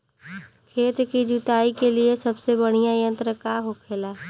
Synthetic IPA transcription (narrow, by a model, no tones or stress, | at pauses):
kʰeːt̪kid͡ʒut̪aːikeliesɐbsebəɽ̃ijãjə̃nt̪ɾəkaɦokʰeːlaː